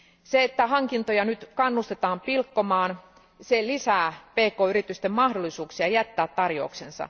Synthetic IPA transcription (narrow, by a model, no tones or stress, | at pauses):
seet̪ːæhɑŋkint̪ojɑnyt̪kɑnːust̪et̪ɑːmpilkːomɑːn | selisæːpeːkoːyɾit̪yst̪emmɑhdolːˑisuːksiɑjæt̪ːæːt̪t̪ɑrjo̰ˑuksensɑ̰